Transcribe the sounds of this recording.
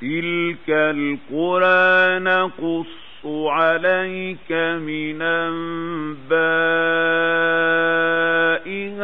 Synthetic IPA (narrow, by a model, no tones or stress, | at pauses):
t̪ɪlkalqʊɾʔaːnaqʊsˤːʊʕalajkamɪnambaː | ʔɪɣ